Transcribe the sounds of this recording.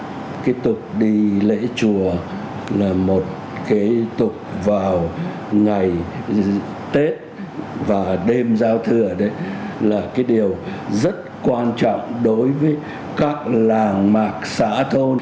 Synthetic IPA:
kaː˨˦jt̪ʊ˨˩k͡p̚ɗi˧lḛ˧˥t͡ɕu˨˩ə | laː˨˩mo˨˩t̚ | kaː˨˦jt̪ʊ˨˩k͡p̚vaː˨˩w | ŋa˨˩j | t̪e˦˥t̚ | vaː˨˩ɗe˧mzaː˧wt̪ʰɨ˨˩əɗə˨˦jlaː˨˩kaː˨˦jɗi˨˩əwzə˦˥t̚kwaː˧nt͡ɕɔ̰˧˨wŋ͡mɗo˨˦jvəː˨˦j | kaː˦˥k̚laː˨˩ŋmaː˨˩k̚sa̰ː˧˥t̪ʰo˧

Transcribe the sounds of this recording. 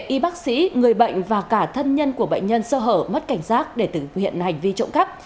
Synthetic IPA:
ʔi˨˦ɓa˦˥k̚sḭ˧˥ŋɨ˨˩əjɓə̰˧˨jŋ̟vaː˨˩kaː˧˩t̪ʰə˧nɲə˧nku˧˩əɓə̰˧˨jŋ̟ɲə˧nsəː˧ɦəː˧˩p̚mə˦˥t̚ka˧˩jŋ̟saː˦˥t̚ɗe˧˩t̪ɨ˨˩hḭ˧˨ənha˨˩jŋ̟vi˧t͡ɕə̰˧˨wŋ͡mka˦˥p̚

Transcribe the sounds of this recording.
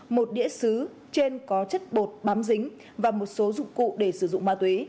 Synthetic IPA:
mo˨˩t̚ɗḭ˧˥əsɨ˨˦ | t͡ɕe˧nkɔ˨˦t͡ɕə˦˥t̚ɓo˨˩t̚ɓaː˨˦mzï˨˦ŋ̟ | vaː˨˩mo˨˩t̚so˨˦zʊ̰˧˨ŋ͡mkṵ˧˨ɗe˧˩sɨ˧˩zʊ̰˧˨ŋ͡mmaː˧t̪we˨˦

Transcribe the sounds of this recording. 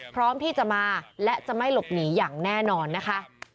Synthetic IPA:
pʰɾɔː˦˥mt̪ʰiː˥˩t͡ɕa˨˩maː˧lɛ˦˥t͡ɕa˨˩ma˥˩jlo˨˩p̚niː˩˦jaː˨˩ŋnɛː˥˩nɔː˧nːa˦˥kʰa˦˥ʔ

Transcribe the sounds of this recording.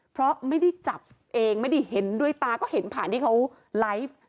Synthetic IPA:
pʰɾɔ˦˥ma˥˩jda˥˩jt͡ɕa˨˩p̚ | ʔeː˧ŋma˥˩jda˥˩jɦe˩˦ndu˥˩əjt̪aː˧kɔː˥˩ɦe˩˦npʰaː˨˩nt̪ʰiː˥˩kʰa˦˥w | la˦˥jf

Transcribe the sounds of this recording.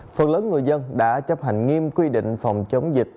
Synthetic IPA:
fə˨˩t̚ləː˨˦nŋɨ˨˩əjzə˧nɗa̰ː˧˥t͡ɕə˦˥p̚ɦa˨˩jŋ̟ŋi˧mkwi˧ɗḭ̈˧˨ŋ̟fa˨˩wŋ͡mt͡ɕə˨˦wŋ͡mzi˨˩k̚

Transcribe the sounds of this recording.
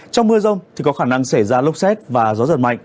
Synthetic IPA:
t͡ɕɔ˧wŋ͡mmɨ˧əzə˧wŋ͡mt̪ʰi˨˩kɔ˨˦xaː˧˩na˧ŋsa˧˩jzaː˧lʊ˦˥k͡p̚sɛ˦˥t̚vaː˨˩zɔ˨˦zə̰˨˩t̚ma̰˧˨jŋ̟

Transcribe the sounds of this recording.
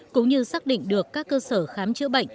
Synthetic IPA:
kʊ̰˧˥ŋ͡mɲɨ˧saː˦˥k̚ɗḭ˧˨ŋ̟ɗɨ˨˩əkːaː˦˥kːəː˧səː˧˩xaː˨˦mt͡ɕɨ̰˧˥əɓə̰˧˨jŋ̟

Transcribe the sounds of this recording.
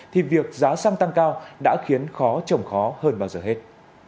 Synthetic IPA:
t̪ʰi˨˩vi˨˩ək̚zaː˨˦sa˧ŋt̪a˧ŋkaː˧wɗa̰ː˧˥xi˨˦ənxɔ˨˦t͡ɕə˨˩wŋ͡mxɔ˨˦həː˧nɓaː˧wzəː˨˩hɦe˦˥t̚

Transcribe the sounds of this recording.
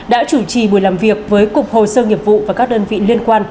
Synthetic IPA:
ɗa̰ː˧˥t͡ɕu˧˩t͡ɕi˨˩ɓu˨˩jlaː˨˩mvi˨˩ək̚vəː˨˦jkʊ˨˩k͡p̚ho˨˩səː˧ŋi˨˩əp̚vṵ˧˨vaː˨˩kaː˦˥k̚ɗəː˧nvḭ˧˨li˧ənkwaː˧n

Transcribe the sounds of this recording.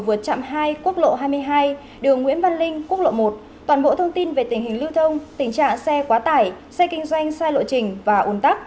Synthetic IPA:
vɨ˨˩ət̚t͡ɕa̰˧˨mɦaː˧jku˦˥ək̚lo̰˧˨ɦaː˧jmɨ˧əjɦaː˧j | ɗɨ˨˩əŋːwḭ˧˥ənva˧nlï˧ŋ̟ku˦˥k̚lo̰˧˨mo˨˩t̚ | t̪waː˨˩nɓo̰˧˨t̪ʰə˧wŋ͡mt̪i˧nve˨˩t̪ï˨˩ŋ̟hï˨˩ŋ̟lɨ˧wt̪ʰə˧wŋ͡mt̪ï˨˩ŋ̟t͡ɕa̰ː˧˨ŋsɛ˧kwaː˨˦t̪aː˧˩j | sɛ˧kï˧ŋ̟zwa˧jŋ̟saː˧jlo̰˧˨t͡ɕï˨˩ŋ̟vaː˨˩ʔu˨˩ənt̪a˦˥k̚

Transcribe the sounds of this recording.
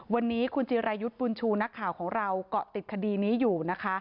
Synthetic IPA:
wa˧nːiː˦˥kʰu˧nt͡ɕiː˧ɾa˧ju˦˥t̪̚bu˧nt͡ɕʰuː˧na˦˥kʰːaː˨˩wkʰɔː˩˦ŋɾa˧wkɔ˨˩t̪i˨˩t̪̚kʰa˧diː˧niː˦˥juː˨˩na˦˥kʰa˦˥

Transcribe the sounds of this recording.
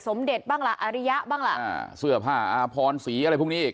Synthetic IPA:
so˩˦mde˨˩t̪̚baː˥˩ŋla˨˩ʔa˧ɾi˦˥ja˦˥ʔbaː˥˩ŋla̰˨˧˩a˧˩sɯ˥˩ɐpʰaː˥˩ʔaː˧pʰɔː˧nsiː˩˦ʔa˧ɾa˧jpʰu˥˩niː˦˥˧iː˨˩

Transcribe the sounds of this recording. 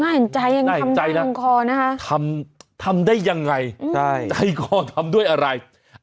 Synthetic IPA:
naː˥˩he˨˩nt͡ɕa˧jːa˧ŋa˥˩a˧ma˧jna˦˥˧ŋkʰɔː˧na˦˥kʰa˦˥t̪ʰa˧mt̪ʰa˧mdaː˥˩jːa˧ŋːa˧ja˥˩jt͡ɕa˧jkʰɔː˧t̪ʰa˧mdu˥˩əjʔa˧ɾa˧j

